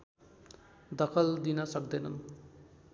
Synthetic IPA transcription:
d̪ʌkʰʌld̪inʌsʌkd̪ʌjnʌn

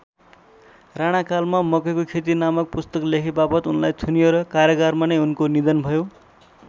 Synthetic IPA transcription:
raɽ̃akalmamʌkʌkokʰet̪̬inamʌk̚pust̪ʌklekʰibapʌt̪unlajt̪ʰunijoɾʌkaɾjʌɡarmanʌjunkonid̪ʌnbʱʌjo

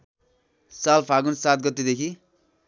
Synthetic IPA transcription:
salpʰaɡunsat̪̚ɡʌt̪ːed̪ekʰi

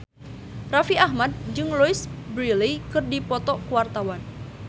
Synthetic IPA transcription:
rafiahmad̚d͡ʒɨŋlɔisbɾilikɨrdipɔt̪ɔkuwart̪awan

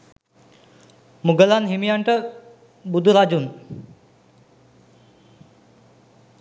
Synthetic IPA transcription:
muɡəlanɦimijaɳʈə | bud̪uɾad͡ʒun

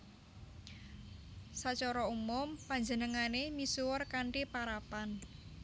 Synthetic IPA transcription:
sat͡ʃɔɾɔumʊmpaɲd͡ʒənəŋanemisuwɔrkaɳʈipaɾapan

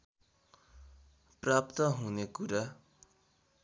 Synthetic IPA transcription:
prap̚t̪ʌɦunekuɾa

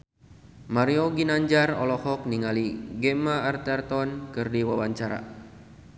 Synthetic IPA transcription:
maɾioɡinaɲd͡ʒarɔ̰lɔhɔk̚niŋaliɡɛmaːrt̪ɛrt̪ɔnkɨrdiwawaɲt͡ʃaɾa̰

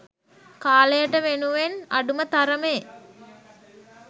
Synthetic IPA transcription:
kaːlejəʈəʋenuʋenaɖumət̪aɾəmej

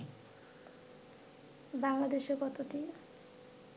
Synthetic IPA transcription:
baŋlad̪eʃekɔt̪ot̪i

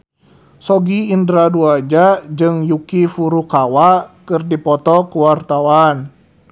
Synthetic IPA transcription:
sɔɡiːndɾaduad͡ʒad͡ʒɨŋjukifuɾukawakɨrdipɔt̪ɔkuwart̪awan

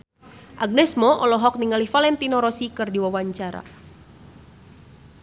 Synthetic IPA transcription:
ʔaɡ̚nɛsmɔʔɔlɔɦɔk̚niŋalifalɛnt̪inɔɾɔsikɨrdiwawaɲt͡ʃaɾa̰

